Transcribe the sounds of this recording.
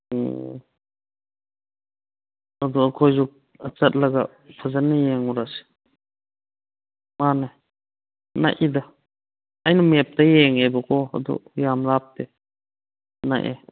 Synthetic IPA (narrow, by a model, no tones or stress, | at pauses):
ɐduɐkʰɔjzuk̚ | ɐt͡ʃɐt̚laɡa | pʰazanijeŋuɾasi̥ | mana | na̰jʔida | ajnamep̚tajeŋebakʰɔɐ̰dṵjamlap̚te | na̰ʔḛ